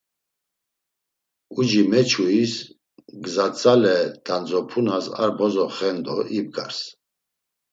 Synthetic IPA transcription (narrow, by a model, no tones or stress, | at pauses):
ud͡ʒimɛt͡ʃʰuis | ɡzat͡sʼalɛd̪̥and͡zɔpʰunasa̰ɾbɔzɔχɛnd̪ɔʔib̚ɡaɾs